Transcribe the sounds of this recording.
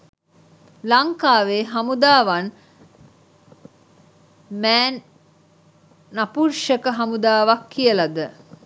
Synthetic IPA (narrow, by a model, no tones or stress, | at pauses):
laŋkaːʋeːɦamud̪aːʋan | mɛːn | apurʃəkəɦamud̪aːʋakʰːijəlad̪ə